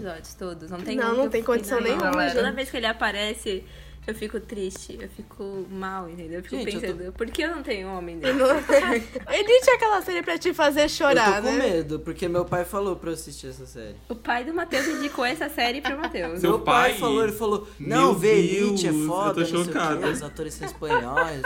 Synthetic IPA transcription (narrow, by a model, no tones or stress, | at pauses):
izɔd͡ʒʊst̪od̪ʊsnɐ̃w̃t̪ẽnɐ̃w̃nɐ̃w̃t̪ẽj̃kõd͡ʒisɐ̃w̃nẽj̃ãod̪ɐvejskɪelɪapaɾɛsɪ | ewfikʊt̪ɾiʃt͡ʃɪewfikʰʊmawẽnt̪ẽnd̪ewewfikpẽsɐ̃d̪ʊpoɾkeewnɐ̃w̃t̪ẽɲʊõmẽj̃d̪en | edit͡ʃɪakɛlɐsɛɾɪpɾɐt͡ʃɪfazeɾʃoɾat̪okõmed̪ʊpoɾkemewpajfalopɾɐeasist͡ʃiɛsɐsɛ̰ɾɪʊpajd̪ʊmat̪ewzĩɲd͡ʒikoɛsɐsɛɾɪpɾʊmat̪ewsmeewpajjfaloelɪfalonɐ̃w̃velit͡ʃɪɛfɔd̪t̪oʃokãzat̪oɾɪsespɐ̃ɔjs